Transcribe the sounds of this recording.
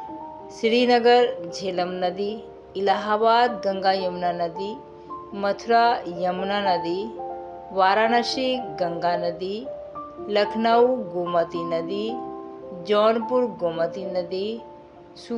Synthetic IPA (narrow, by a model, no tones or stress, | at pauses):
siɽiːnɐɡəɾd͡ʒʱeːlɐmnɐd̪iː | laɦaːbaːd̪̚ɡɐŋɡaːjɐmnanɐd̪i | mɐt̪ʰuɾajɐmnanɐd̪i | ʋaːɾaːnaʃiɡɐŋɡaːnɐd̪i | lɐkʰnawɡoːmɐt̪inɐd̪i | d͡ʒɔːnpuɾɡoːmɐt̪inɐd̪i | su